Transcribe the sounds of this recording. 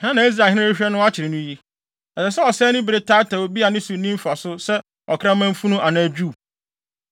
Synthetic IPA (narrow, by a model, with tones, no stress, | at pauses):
hã˦nã˨˦i˦s̬ɾa˨hɪ̃˦ã˦ɪ˦ɕᶣɛ˦nʊ̃˦a˦t͡ɕʰɪ˨ɾɪ˨nʊ̃˦ji˦ | ɛ˨sɛ˨s̬ɛ˦ɔ˨sɛː˦nʊ̃˦bɪ˨ɾe˦tʰaː˦tʰa˨wo˨bi˦a˨nɪ̃˦sʊ˨nĩ˦m˦fa˨sʊ˦sɛ˦ | ɔ˨kʰã˦mã˦m̩˦fu˦nũ˦ʔa˨nã˨æ˨d͡ʑᶣuː˦˨